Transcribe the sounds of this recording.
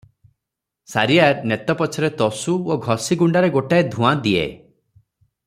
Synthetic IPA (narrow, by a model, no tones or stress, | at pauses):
saɾiaɾnet̪ɔpɔt͡ʃʰɔɾet̪ɔsuoɡʱɔsiɡuɳɖaɾeɡoʈaed̪ʱũãd̪iḛ